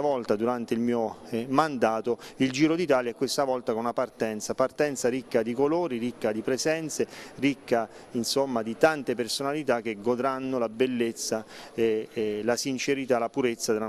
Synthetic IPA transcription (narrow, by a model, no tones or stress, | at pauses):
avɔlt̪ad̪uɾant̪eilmiːomand̪aːt̪oild͡ʒiːɾod̪it̪aːljaɛkːwest̪avɔlt̪akonapart̪ɛnt̪sapart̪ɛnt̪saɾikːad̪ikoloːɾiɾikːad̪ipɾezɛnt̪serikːa | insomːad̪it̪ant̪epersonalit̪ak̟ːeɡod̪ɾanːolabelːet̪sːaelasint͡ʃeɾit̪alapuɾet̪sːad̪ela